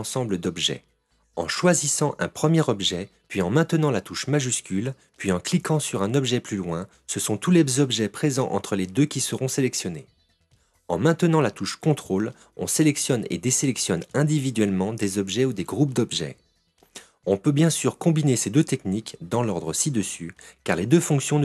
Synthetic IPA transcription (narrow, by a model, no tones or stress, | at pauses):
sɑ̃bləd̪ɔbʒɛ̰ | ɑ̰̃ʃwazisɑ̃ʔɛ̰̃pχəmjɛʁɔbʒɛ | pɥiɑ̃mɛ̃t̪ənɑ̃lat̪uʃmaʒyskʲyl | pɥiɑ̃klikɑ̃syʁɛ̃nɔbʒɛplylwɛ̃ | səsɔ̃t̪ulezɔbʒɛpχezɑ̃ʔɑ̰̃t̪χəled̪økʲisəʁɔ̃selɛksjɔne | ɑ̰̃mɛ̃t̪ənɑ̃lat̪uʃkɔ̃t̪χol | ɔ̰̃selɛksjɔnḛd̪eselɛksjɔnɛ̃d̪ivid̪ɥɛlmɑ̃d̪ezɔbʒɛud̪eɡʁup̚d̪ɔbʒɛ̰ | ɔ̃pøbjɛ̃syʁkɔ̃binesed̪øt̪ɛknikd̪ɑ̃lɔʁd̪ʁəsid̪əsykaʁled̪øfɔ̃ksjɔ̃